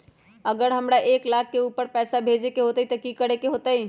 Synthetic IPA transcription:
əɡəɾɦəmɾaʔeːklaːkʰːeuːpəɾpɛːsabʱed͡ʒekeɦot̪əit̪əkikəɾekeɦoːt̪əi

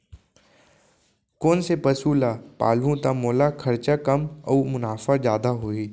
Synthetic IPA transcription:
koːnsepəsuːlapa̰ːlʋũt̪amoːlakʰɐɾt͡ʃakɐmɔ̰ːmʊnaːfad͡ʒjaːd̪aɦoːiː

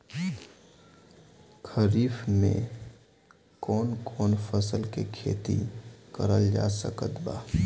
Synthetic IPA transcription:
kʰəɾiːfmḛ̃ | kɔːnkɔːnpʰəsəlkekʰḛːt̪ḭkəɾəld͡ʒa̰ːsə̰kət̪ba̰ː

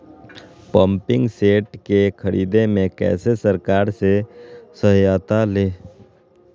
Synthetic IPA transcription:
pəmpɪ̃ŋɡseːʈkekʰəɾiːd̪emẽkɛ̰ːsesəɾkaːɾsesəɦjat̪aleː

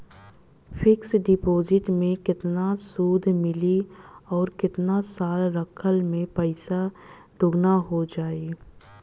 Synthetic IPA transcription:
fʰɪksɖɪpoːzɪʈmẽkɪt̪nasuːd̪ʱmɪliɔːɾkɪt̪nasaːlɾəkʰəlmẽpəɪsa | ɖʱʊɡnaɦod͡ʒaːeː

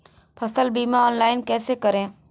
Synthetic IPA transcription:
pʰɐsəlbiːmaɔːnlaːɪnkɛːsekɐɾẽː

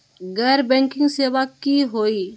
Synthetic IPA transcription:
ɡɛːɾbɛ̃ːŋkɪ̃ŋɡseːʋakiɦoːiː

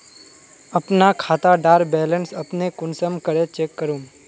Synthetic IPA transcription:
əpnakʰat̪aɖaɾbɛlənsəpnekʊnsəmkəɾet͡ʃekːəɾũm

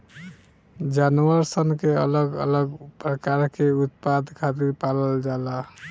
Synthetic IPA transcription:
d͡ʒanuəɾsənkeə̰ləɡə̰ləɡpɾəkaɾkeut̪̚pad̪kʰat̪iɾpaləld͡ʒala

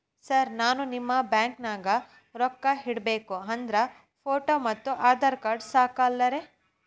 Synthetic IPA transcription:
sɐɾnaːnunimːɐbjaːŋknaːɡɐ | ɾɔkːɐɦiɽbeːkuɐnd̪ɾɐ | pʰoːʈoːmɐt̪ːuʔaːd̪aːɾkaːɾɖsaːkɐːlːɐɾe

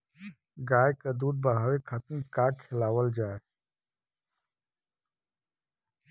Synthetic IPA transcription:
ɡaːekad̪uːd̪̚bəɽ̤aːwekʰət̪mkaːkʰɪlaːwəld͡ʒaːe

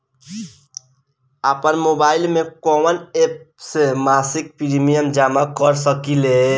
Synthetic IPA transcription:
apənmobaɪlmẽkɔmənep̚semasik̚piɾimijəmd͡ʒamakəɾsəkile

